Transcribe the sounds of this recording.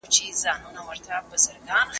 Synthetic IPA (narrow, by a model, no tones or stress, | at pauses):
t͡ʃʰizaːnunɐwɐɾt̪ʰabɐsɐɾɡaːn